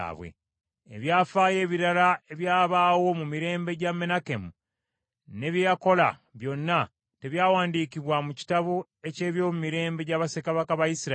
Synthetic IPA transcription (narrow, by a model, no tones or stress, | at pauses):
βwḛː | βjaːfaːje̞ːβiɾalae̞βjaːβaːwo̞mumiɾe̞ːmbe̞ɟame̞nakemu | ne̞βjejako̞la̰βjo̞nːa | te̞βjaːwaːndiːkiβwamuci̥taβo | e̞ce̞ːβjo̞ːmumiɾe̞ːmbe̞ɟaβasekaβakaβajisiɾa